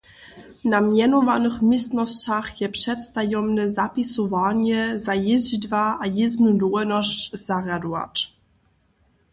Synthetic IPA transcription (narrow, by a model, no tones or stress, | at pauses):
namjɛnɔvanɘxmʲist̪nɔst͡ɕaχjɛpʂɛt̪st̪ajɔmnɛzapʲisɔvaɲɛzajɛzd̪vaʔajeznud̪ɔɛnɔɕz̥aɡad̪ua̰ʈ͡ʂ